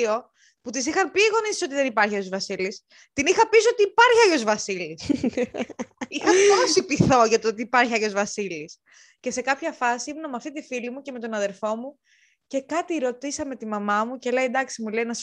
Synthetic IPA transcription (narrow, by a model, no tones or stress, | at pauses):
o̞ | put̪isixɐnpiːɣo̞nisso̞t̪iðenipɐɾçɐjozvɐsilis | t̪inixɐpiso̞t̪iːpɐɾçiɐʝo̞zvɐsilis | ixɐposipiθo̞ʝɐt̪ot̪iːpɐɾçiɐʝo̞zvɐsilis | ce̞se̞kɐpçɐfɐsiimnɐmɐft̪it̪ifilimuce̞me̞t̪o̞nɐðe̞ɾfo̞mu | ce̞kɐt̪iɾo̞t̪isɐme̞t̪imɐmɐmuce̞lɐid̪ɐksimulejnɐs